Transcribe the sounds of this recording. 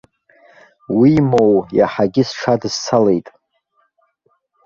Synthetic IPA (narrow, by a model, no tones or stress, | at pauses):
wimowja̰ħaɡʲɪsʈ͡ʂʰadɨzt͡sʰale̞jtʼ